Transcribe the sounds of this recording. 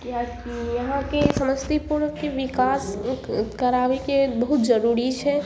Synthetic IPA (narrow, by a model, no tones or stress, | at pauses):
kjakijɐɦãkesɐməd͡ʒt̪ipuɾkeʋɪkaːskɐɾaːʋekebɐɦʊt̪d͡ʒɐɾuːɾit͡ʃʰɛ